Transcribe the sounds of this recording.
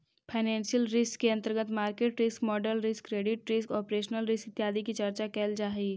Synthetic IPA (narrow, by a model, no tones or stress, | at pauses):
pʰaɪnɛ̃ːnsijəlɾɪskːeɐ̃nt̪əɾɡət̪maːɾkeːʈɾɪskmɔːɖəɾlɾɪskːɾeːɖɪʈɾɪskɔːpɾeːʃnəlɾɪskɪt̪jaːd̪ikit͡ʃɐɾt͡ʃakɛːld͡ʒaːɦiː